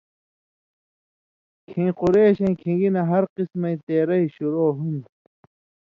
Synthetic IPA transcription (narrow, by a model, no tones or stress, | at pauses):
kʰĩːquɾeːɕɐ̃ĩkʰĩŋɡinɐɦɐɾqismɐ̃ĩt̪eːɾɐiɕuɾoːɦund̪